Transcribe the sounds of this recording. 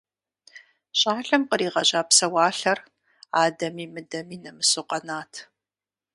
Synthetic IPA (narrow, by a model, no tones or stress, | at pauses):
ɕʼaːɬɐmqəɾiːʁɐɕʼaːpsɐwaːɬɐr | aːdɐmiːmɨdɐmiːnɐmɨsɨqɐnaːtʰ